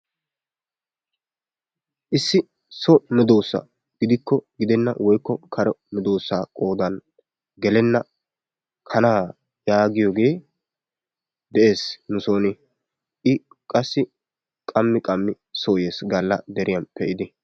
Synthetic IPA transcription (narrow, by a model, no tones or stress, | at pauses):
ʔɪsːɪ | sɔmɛd̪o̞ːsːɐ̰ | ɡ̥ɪd̪ɪkːɔɡɪd̪ɛnːɐ̰wɔjkːɔkʰɐɾɔmɛd̪o̞ːsːaːkʼoːd̪ɐn | ɡɛlɛnːɐ | kʰɐnaː | jaːɡɪjoːɡe̞ː | d̪ɛʔe̞ːsnʊsoːnɪ | ʔɪ | kʼɐsːɪ | kʼɐmːɪkʼɐmːɪ | soːjeːsɡɐlːɐ̰d̪ɛɾɪjɐnpɛʔɪd̪ɪ